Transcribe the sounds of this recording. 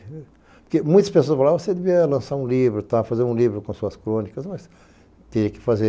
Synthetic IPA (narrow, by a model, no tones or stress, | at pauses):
pʊkemũj̃t̪ɐspesoɐspalavosed̪eviɐlɐ̃saɾũlivɾʊt̪afazeɾũlivɾʊkõsuɐskɾõnikɐsmɐs | t̪eɐkɪ̥faze